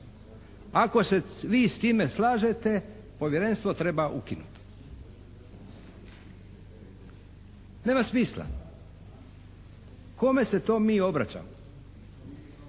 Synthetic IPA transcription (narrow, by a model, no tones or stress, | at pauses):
ako̞seʋiːst̪iːme̞slaːʒet̪e̞ | po̞ʋjeɾenst̪ʋo̞t̪ɾe̞baʔṵkinṵt̪ | ne̞ːmasmiːsla̰ | ko̞me̞se̞t̪o̞ːmiːo̞bɾat͡ɕa̰ːmo